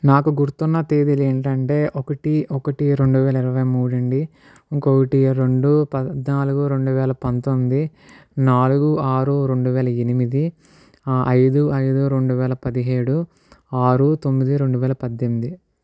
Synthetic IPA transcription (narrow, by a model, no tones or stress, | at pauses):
naːkuɡuɾut̪unːɐt̪eːd̪ileːɳʈɐɳʈe̞ːʔɔkɐʈiɔkɐʈiɾe̞ɳɖuʋɛːlɐiɾɐʋɐjmuːɽɐɳɖi | ŋkokɐʈiɾe̞ɳɖupɐd̪naːluɡuɾe̞ɳɖuʋɛːlɐpɐnt̪omːd̪i | naːluɡuaːɾuɾe̞ɳɖuʋɛːlɐenimid̪i | ʔɐjd̪uɐjd̪uɾe̞ɳɖuʋɛːlɐpɐd̪iɦeːɽu | aːɾut̪o̞mːid̪iɾe̞ɳɖuʋɛːlɐpɐd̪ːemːid̪i